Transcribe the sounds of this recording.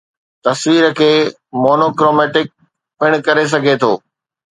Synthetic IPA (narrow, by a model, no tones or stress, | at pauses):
t̪ɐsʋiːɾəkʰeː | moːnoːkɾoːmɛːʈɪk̚ | pɪɽ̃kɐɾes̬ɐɡʱet̪ʰoː